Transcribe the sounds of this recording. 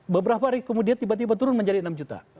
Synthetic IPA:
bəbəɾapaɾikomudiat̪ibat̪̬ibat̪uɾʊnməɲd͡ʒadiənamd͡ʒut̪a̰

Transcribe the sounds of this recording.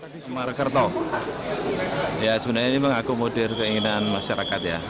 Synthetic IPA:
adisəmarkərt̪ɔ | jasəbənarɲamemaŋakumodɛrkəiŋinanmaʃaɾakat̪ja̰

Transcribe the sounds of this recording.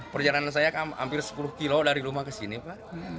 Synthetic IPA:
pərd͡ʒalanans̬ajakaha̰mpɪrsə̥pulʊhkilodaɾiɾumakəsinipaʔ

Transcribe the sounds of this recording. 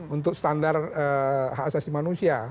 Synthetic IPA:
unt̪ʊk̚st̪andarəɦaasasimanusia

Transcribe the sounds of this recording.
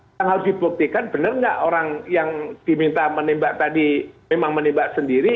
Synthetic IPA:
aŋɦausdipuk̚t̪ikanb̥ənərŋɡa̰ʔoɾaŋjaŋd̥imint̪amənimbaʔt̪adimemaŋmənimbaʔsəndiɾi

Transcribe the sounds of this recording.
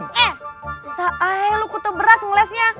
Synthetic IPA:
ɛsaʔaɦelukut̪əbəɾasŋlɛsɲa

